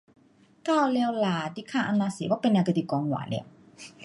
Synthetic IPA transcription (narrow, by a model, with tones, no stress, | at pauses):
t̪ʰaː˥˨lɛː˧wlaː˧d̪i˧˨kʰaː˥˩ʔa˧nːaː˧si˨˦waː˧˥˦pe˧nːa˧k̪i˧˨kɔː˧ŋwa̰ː˨˦lɛ̰˧˨w